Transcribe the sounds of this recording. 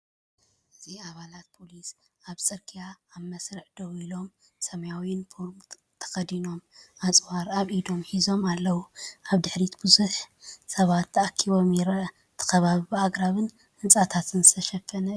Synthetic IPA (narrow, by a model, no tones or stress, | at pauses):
ʔɨziaβalat̪̚pʰo̞lis | ʔaβsʼɨɾkʰijaːβmɐsɾɨħd̪̥ɐwilo̞m | sɐmɐjawiɪnfʰoɾm | t̪ʰɐ̥xɐd̪ino̞mʔat͡sʼwaɾaβʔid̪o̞mħizo̞malːɐwuʔaβd̪ɨħɾit̪bɨzuħsɐβat̪ʰːɐakʰːiβo̞mjɪɾɐɐ | t̪ʰɨ̥xɐβaβɨbɨaɡʼɾaβɨn | hɨnt͡sʼat̪ʰat̪ʰɨnzɨt̪ʰɐʃɐfːɐnɐ